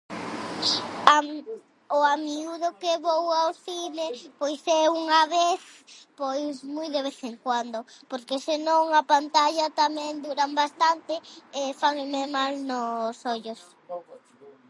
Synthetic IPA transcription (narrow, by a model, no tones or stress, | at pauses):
a | ʊamiuðʊkeβowawθinepojsɛuŋaβeθpojsmujðeβ̞eθeŋkwand̪opoɾkesenõŋɐpant̪aʎɐt̪amɛ̃ŋd̪uɾambast̪ant̪eefaŋmemalnosoʎos